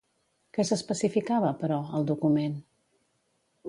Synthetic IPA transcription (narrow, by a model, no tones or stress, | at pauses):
kɛsəspəsifikaβəpəɾɔəlˠd̪ukumen